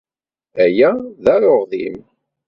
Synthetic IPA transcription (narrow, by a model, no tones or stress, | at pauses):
æjæðæɾoʁðḭm